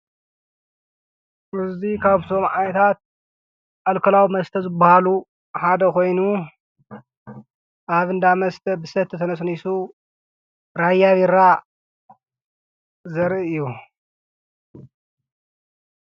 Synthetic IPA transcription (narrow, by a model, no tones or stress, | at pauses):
ɨzd̪ikʰaβt̪ʰo̞mʕanɐt̪ʰat̪̚ | ʔalkʰɐlawimɐst̪ʰɐzɨbːahalu | ħad̪ɐkʰo̞jnu | ʔaβɨnd̪amɐst̪ʰɐbɨsɐt̪ʰːɨt̪ʰɐnɐs̬nisu | ɾajːaβiɾa | zɐɾʔɨjːu